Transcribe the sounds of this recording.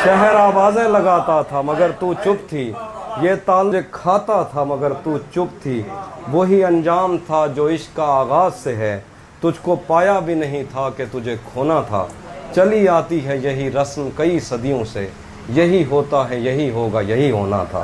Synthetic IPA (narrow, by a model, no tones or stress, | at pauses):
ʃɛɦəɾaːʋaːzẽlɐɡaːt̪at̪ʰamɐɡəɾt̪ut͡ʃʊp̚t̪ʰijeːt̪aːld͡ʒekʰaːt̪at̪ʰamɐɡəɾt̪uːt͡ʃʊp̚t̪ʰiːʋoːɦiɐ̃nd͡ʒaːmt̪ʰad͡ʒoːɪʃkaaːɣaːzseɦɛː | t̪ʊd͡ʒʱkopaːjabʱinɐɦĩt̪ʰaket̪ʊd͡ʒʱekʰoːnat̪ʰa̰ːt͡ʃɐliaːt̪iɦɛjɐɦiɾɐsmkɐisɐd̪ijõse | jɐɦiɦoːt̪aɦɛjɐɦiɦoːɡajɐɦiɦoːna̰t̪ʰa̰ː